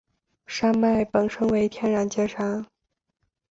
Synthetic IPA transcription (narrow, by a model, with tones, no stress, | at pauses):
ʂa˥ŋma˥˩ɪpə˨˩ŋʂɤ˥ŋwe˧˥ɪt̪ʰjɛ˥nɻa˧˥nt͡ɕjɛ˥ʈ͡ʂʰɑ˧˥ŋ